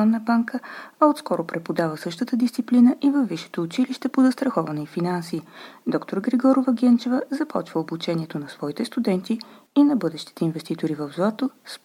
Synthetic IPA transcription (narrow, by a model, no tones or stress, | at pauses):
ɔnːəbaŋkəɐot̪skɔɾʊpɾɛpod̪avəsɤʃt̪ət̪əd̪ist̪siplinəʔivəvːiʃɛ̥t̪oːt͡ʃiliʃt̪ɛpozɐst̪ɾɐxɔvɐnɛifinansiːd̪ɔkt̪oɾɡɾɛɡɔɾovəɡʲɛnt͡ʃɛvəzɐpʰɔ̰t͡ʃvəobut͡ʃɛniɛt̪onɐsvɔit̪ɛst̪ud̪ɛnt̪i | inɐbɤd̪ɛʃt̪i̥t̪ɛinvɛst̪it̪oɾivəvzoat̪os